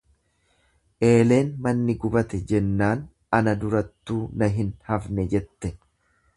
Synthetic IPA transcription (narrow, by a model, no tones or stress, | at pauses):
ʔe̞ːle̞ːnmɐnːɪɡʊbɐt̪ɛd͡ʒɛnːaːn | ɐnɐd̪ʊɾɐt̪ːuːnɐɦɪnhɐfnɛd͡ʒɛt̪ːɛ